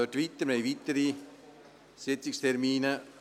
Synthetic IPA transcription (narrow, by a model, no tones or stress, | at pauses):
øtʋit̪ːəɾmejʋit̪əɾi | sɪt͡sɪkst̪ʰɛrmiːnə